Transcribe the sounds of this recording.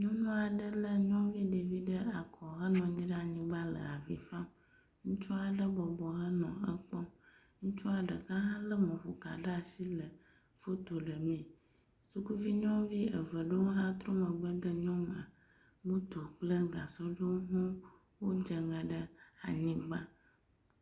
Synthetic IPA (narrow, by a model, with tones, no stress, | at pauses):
ɲɔ̃˦nɔ̃˦a˨ɖə˦lə˦ɲɔ̃˦vi˦ɖe˨vi˦ɖə˦a˨kʰɔ˨ɦə˦nɔ̃˨ɲĩ˦ɖə˦a˨ɲĩ˦ɡ͡ba˦lə̰˨a˨vḭ˨fã˦m | ŋũ˦t͡ʃu˦a˨ɖə˦bɔ˨bɔ˨ɦə˦nɔ̃˨ə˦k͡pɔ˦ŋũ˦t͡ʃu˦a˨ɖə˨kã˦ɦã˦lə˦mɔ̃˨ɸo˨ka̰˨ɖə˦a˨si˦lə˨ | fo˦t̪o˨ɖə˨mĩ˨su˦ku˦vi˦ɲɔ̃˦vi˦ə̰˨və˨ɖə˦wo˦ɦã˦t̪ɾo˦mə̃˨ɡ͡bə˦d̪ə˦ɲɔ̃˦mã˨ | mũ˦t̪o˨k͡plə˦ɡa˨sɔ˦ɖə˦wo˦ɦũ˦wo˦d͡ʒə˨ŋə̃˨ɖə˦a̰˨ɲĩ˦ɡ͡ba˦